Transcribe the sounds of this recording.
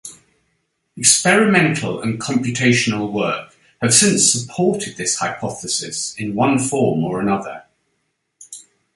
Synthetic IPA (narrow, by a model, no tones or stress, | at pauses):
ɛkspɛɹɪmɛ̃ntʰˡə̰lə̰̃nkʰɒ̃mpjʉtʰeɪʃənəlˠwɜˑk | həv̥sɪ̃nsəpʰɔˑtʰɪd̪̚ðɪshaɪpʰɒθəsɪsɪ̃nwʌ̃nfɔːməɹənʌðə